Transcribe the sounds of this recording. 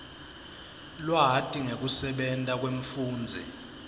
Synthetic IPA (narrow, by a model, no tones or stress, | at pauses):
lwaɦatʼiŋek̬ʼusɛɓɛntʼak̬ʼweɱ̩fuːnd͡zʱɛ̰